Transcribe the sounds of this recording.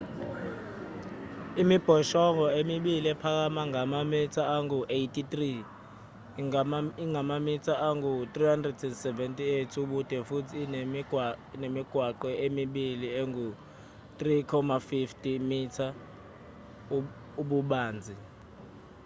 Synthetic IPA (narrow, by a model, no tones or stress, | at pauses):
imib̥ʱɔʃɔŋɔemiɓiliɛpʰak̬amaŋamamitʰaaŋuʔejtʼit̪ri | iŋamamitʰaʔaŋut̪rihandrɛdɛndsɛvɛntʼietʰuɓud̥ʱɛfutʰiːn | nemiɡ̥ʱwaǃɛʔemiɓiliɛŋu | t̪rikʰɔmafiftʼimitʰa | uɓuɓaːnd͡zʱi